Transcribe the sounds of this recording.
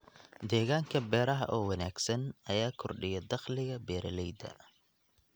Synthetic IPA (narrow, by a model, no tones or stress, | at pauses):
d̪ɛːɣaːŋkʰɐbɛːɾɐɦɐ̰ʔɔːwɐnaːɡsɐnɐjaːkʰɔrɖɪjɐd̪ɑχlɪɣɐbɛːɾɐlɛjd̪ɐ̰